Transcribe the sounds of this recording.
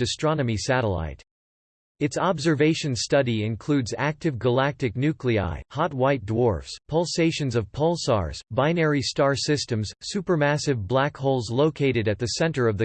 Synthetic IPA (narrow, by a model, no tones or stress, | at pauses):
ɨstɹ̥ɑnɨmisæɾəla̰ɪɾ | ɨtsɑbzə˞veɪʃɨ̃nstʌɾiɪ̃nkʰl̥ʉdzæk̚tɨvɡəlæk̚tɨk̚nʉklia̰ɪhɑt̚waɪt̚d̥wɔɹfspʰʌlˠseɪʃɨ̃nzʌv̥pʰʌlˠsɑ̰ɹz̥bãɪ̃nɛɹistɑɹsɪstɨ̃mz̥sʉpə˞mæsɨvblækhoʊlˠzloʊkʰeɪɾɨɾɨt̪̚ðɨsɛ̃ntə˞ʌvðɨ